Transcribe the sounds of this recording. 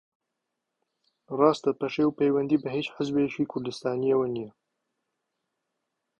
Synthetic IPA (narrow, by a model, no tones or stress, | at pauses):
rˤɑːst̪ɐpɐʃeːwpejwɐnd̪iːbɐheːt͡ʃħəzbeʃiːkʰʊɾd̪ɨst̪aːnijewɐnijɛ